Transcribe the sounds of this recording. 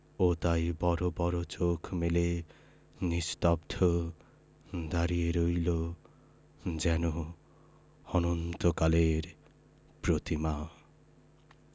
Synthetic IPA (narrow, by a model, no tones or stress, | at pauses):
ot̪ajbɔɾobɔɾot͡ʃokʰmele | nist̪ɔb̚d̪ʱʰɔ | d̪aɾieɾojlo | d͡ʒɛnu | ɔnɔnt̪ɔkaleɾ | pɾot̪ima